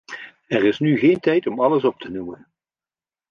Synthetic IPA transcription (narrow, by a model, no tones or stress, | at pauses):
ɛrɪsnyχeːjntɛjtɔmɑləsɔp̚tʰənumən